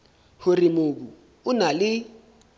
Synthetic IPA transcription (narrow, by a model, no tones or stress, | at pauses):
horimok̬u | ʊnalɪ